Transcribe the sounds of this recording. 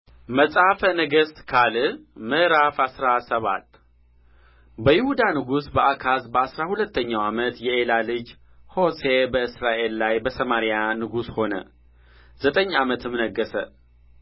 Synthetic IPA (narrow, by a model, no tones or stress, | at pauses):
məsʼafənəɡəst̪kʰalɨmɨʔɾafasɾasəβa̰t̪ː | bəjɪhud̪anɨɡusbəakʰasbəasɾahulət̪ʰːəɲːawamət̪jɛelalɨd͡ʒ | ho̞se̞bəɨsɾaʔe̞lːajbəsəmaɾijanɨɡusho̞nə̰ | zət̪ʼəɲːamət̪ʰɨmnəɡːəsə